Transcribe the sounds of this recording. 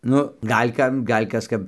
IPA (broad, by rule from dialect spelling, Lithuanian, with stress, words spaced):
ˈnʊ ˈɡɐlʲ ˈkɐm ˈɡɐlʲ ˈkɐs ˈkɐp